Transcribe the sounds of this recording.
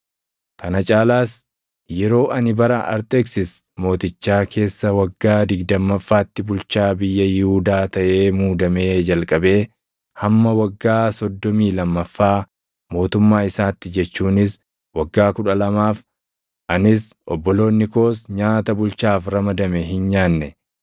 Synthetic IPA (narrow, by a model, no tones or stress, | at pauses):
kɐnɐt͡ʃʼaːlaːs | jɛɾo̞ːʔɐnɪbɐɾɐʔɐ̰ɾt̪ʼeːksɪs | mo̞ːt̪ɪt͡ʃːaːkʰe̞ːsːɐwɐɡːaːd̪ɪɡd̪ɐmːɐfːaːt̪ːɪbʊlt͡ʃaːbɪjːɐjɪhuːd̪aːt̪ɐʔe̞ːmuːd̪ɐme̞ːd͡ʒɐlkʼɐbe̞ː | hɐmːɐwɐɡːaːsɔd̪ːɔmiːlɐmːɐfːaː | mo̞ːt̪ʊmːaːɪsaːt̪ːɪd͡ʒɛt͡ʃːuːnɪs | wɐɡːaːkʊᶑɐlɐmaːf | ʔɐnɪsʔɔbːɔlo̞ːnːɪko̞ːs̬ɲaːt̪ɐbʊlt͡ʃaːfɾɐmɐd̪ɐmɛɦɪnɲaːnːɛ